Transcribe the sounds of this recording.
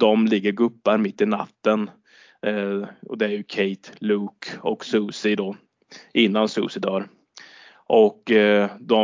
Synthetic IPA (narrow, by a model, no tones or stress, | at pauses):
d̪ɔmlɪɡːəɾɡɵpːaɾmɪt̪ːɪna̰t̪ːən | ɔd̪ɛæɾjɵkʰɛɪt̪luːkɔksʉːsɪd̪ɔ | ʔɪnːansʉ̰ːsɪd̪œːɾ | ʔɔkd̪ɔ